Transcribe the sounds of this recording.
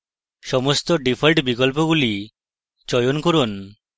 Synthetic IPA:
ʃɔmost̪oɖipʰalʈbikɔlp̬oɡuli | d͡ʒɔjonkoɾun

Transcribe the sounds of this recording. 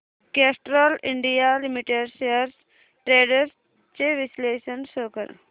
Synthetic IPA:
keːsʈɾoliɳɖijalimiʈeɖsejəɾs | ʈɾeːɖəɾ | t͡ʃeʋisleːʃənsoːkə̰ɾ

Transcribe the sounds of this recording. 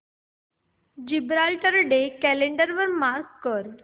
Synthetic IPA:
d͡ʑibɾalʈəɾɖekɛleɳɖəɾʋəɾmaɾkːəɾ

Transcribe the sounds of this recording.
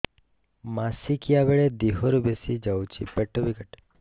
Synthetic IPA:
masikijaʋeɭed̪iɦoɾubesid͡ʒawt͡ʃʰḭpɛʈːobikəʈ

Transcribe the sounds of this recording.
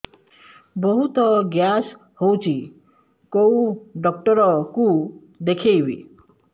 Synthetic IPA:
bɔɦut̪ɔɡjas | howt͡ʃʰi | kowɖɔkʈɔɾɔku | d̪ekʰejbḭ

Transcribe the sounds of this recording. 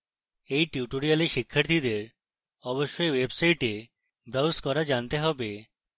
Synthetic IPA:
ejʈjuʈoɾialeʃikʰːaɾt̪ʰid̪eɾ | ɔboʃːoewebsajʈe | bɾawskɔɾad͡ʑant̪eɦɔbe

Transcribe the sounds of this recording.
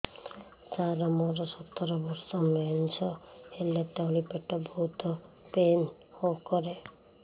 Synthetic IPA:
t͡ʃaɾɔmɔɾɔsɔt̪ːɔɾɔbɔɾsɔmeɔnt͡ʃʰɔelet̪anipeʈɔbɔɦut̪ɔ | pen | hokɔɾe

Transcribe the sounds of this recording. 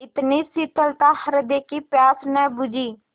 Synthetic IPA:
ɪt̪niːsit̪əlt̪ãːhəɾd̪eːkiːpjaːsnɛːbʊd͡ʒiː

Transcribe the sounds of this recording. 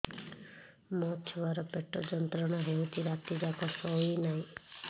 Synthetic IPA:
mɔt͡ʃʰɔwaɾɔpeʈɔd͡ʒɔnt̪ɾɔɽ̃ɔɦewt͡ʃʰiɾat̪id͡ʒakɔsɔinaɦĩ

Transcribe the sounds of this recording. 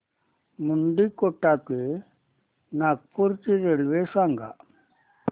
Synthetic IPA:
muɳɖikoʈake | nak̚puɾt͡ʃiɾelʋesaŋɡa̰

